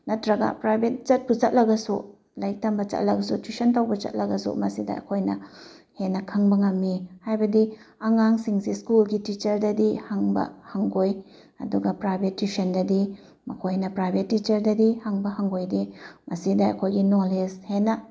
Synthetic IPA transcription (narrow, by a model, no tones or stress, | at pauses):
nɐtɾɐɡa̰pɾajbʱet̚t͡ʃɐt̚put͡ʃɐt̚lɐɡɐsu | lajk̚tɐmbɐt͡ʃɐ̰t̚lɐɡɐsutisɐntawbɐt͡ʃɐ̰t̚lɐɡɐsṵmɐsidɐ̰ɐ̰kʰojnɐ | henːɐkʰɐŋbɐŋɐmːihajbɐdi | ɐŋaŋsiŋsiskulɡitit͡ʃɐɾdɐdihaŋbɐ̰hɐŋɡoj | ɐ̰duɡɐpɾajbʱetːisɐndɐdi | mɐkʰojnɐpɾajbʱetːit͡ʃɐɾdɐdihɐŋbɐhɐŋɡojdimɐsidɐɐ̰kʰojɡinoleshenɐ